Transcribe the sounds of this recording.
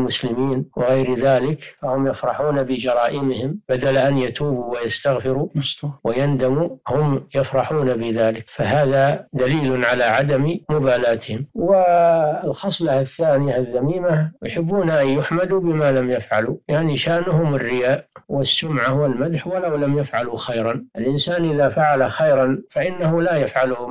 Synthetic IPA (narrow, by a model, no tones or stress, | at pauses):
mʊslɪmiːnwɪɣajɾðaːlɪkfahʊmjɪfɾˤɑħuːnabɪd͡ʒɑɾˤɑːʔɪmɪhɪmbad̪alʔanjat̪uːbuwajast̪aɣfɪɾuwɪjand̪amuhʊmjafɾˤɑħuːnabɪðaːlɪkfaɦaːðad̪aliːlʕalaʕad̪ammʊbaːlaːt̪ɪhɪmwɪlxɑsˤlɑhaθːaːnɪjahaðːamiːmahjʊħɪbːuːnaʔajːʊħmad̪ubɪmalamjafʕalujaʕniʃaːʔnʊhʊmɪrːɪjaːʔwɪsːʊmʕawɪlmad̪ħwalawlamjafʕaluxajɾˤɑnʔɪlʔɪnsaːnʔɪðafaʕalaxajɾˤɑnfaʔɪnːahʊlajafʕalʊhʊm